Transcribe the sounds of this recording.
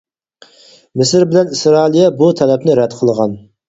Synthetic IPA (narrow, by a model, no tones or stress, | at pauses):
mɪsɪɾbɪlɛnisɾɑːlˠijɛbut̪ʰɛlɛpnɪɾɛd̪qʰəlˠəʁɑn